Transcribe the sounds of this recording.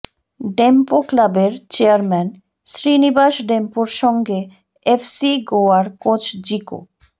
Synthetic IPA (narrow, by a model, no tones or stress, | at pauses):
ɖempoklabeɾt͡ɕeaɾmɛn | ʃɾinibaʃɖempoɾʃɔŋɡe | efsiɡoaɾkot͡ɕʰd͡ʑiko̰